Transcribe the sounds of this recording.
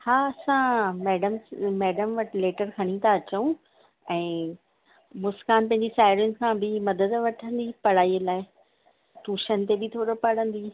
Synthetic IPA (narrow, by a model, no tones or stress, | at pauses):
haːɐsãmɛːɖəmmɛːɖəmʋɐʈɪleːʈəɾkʰɐɽ̃it̪ʰaɐt͡ɕəũ | ɛ̃ː | mʊskaːnpɐ̃ɦɪ̃ɲd͡ʑisaːɪɾjʊnɪ̆kʰãːbʱɪmɐd̪əd̪ʋɐʈʰə̃nd̪ipɐɽ̤aːilaːɪ | ʈuːʃənɪ̆t̪ebɪt̪ʰoːɾopɐɽ̤ə̃nd̪iː